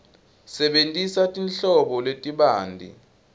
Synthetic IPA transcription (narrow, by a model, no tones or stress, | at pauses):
sɛɓentʼisatʼinɬɔɓɔletʼiɓaːndʱḭ